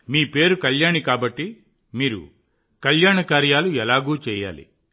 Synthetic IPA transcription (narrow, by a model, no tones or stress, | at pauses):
miːpe̞ːɾukɐʎjaːɳikaːbɐʈːi | miːɾṵ | kɐljaːɳɐkaːɾjaːluɛlaːɡuːt͡ʃɛːja̰ːlḭ